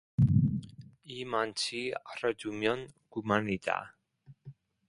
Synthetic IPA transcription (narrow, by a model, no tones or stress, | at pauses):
imant͡ɕʰiarad͡ʒumjɔnɡ̥umanida̰